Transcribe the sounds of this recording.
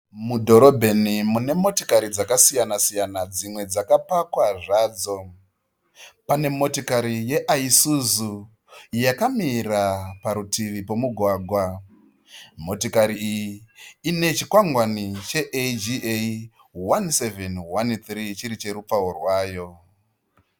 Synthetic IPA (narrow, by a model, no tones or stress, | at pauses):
mudʱo̞ɾo̞bʱe̞nimune̞mo̞tikaɾid͡zakasijanasijanad͡zimwe̞d͡zakapakwaʐaːd͡zo̞ | pane̞mo̞tikaɾije̞ʔaisuzu | jakamirapaɾutʰiʋipo̞muɡʱwaːɡʱwa | mo̞tokaɾiːjiine̞t͡ʃikwaŋɡwanit͡ʃe̞ʔed͡ʒie | wansevenwant̪rit͡ʃiɾit͡ʃe̞ɾupp͡faorwaːjo̞